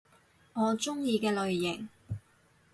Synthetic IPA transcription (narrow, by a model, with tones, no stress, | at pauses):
ŋɔː˨˧t͡ʃʊ˥ŋjiː˧kɛː˧lɵ˨ɥːɪ˨˩ŋ